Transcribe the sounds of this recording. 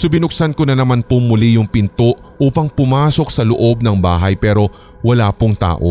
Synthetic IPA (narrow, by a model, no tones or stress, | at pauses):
sʊbɪnʊk̚sankonɐnɐmanpomʊlijʊŋpɪnt̪oʔ | uːpɐŋpʊmaːso̞k̚sɐloʔo̞b̚nɐŋbaːɦɐjpɛːɾo̞ | wɐlaːpoŋt̪a̰ːʔo̞̰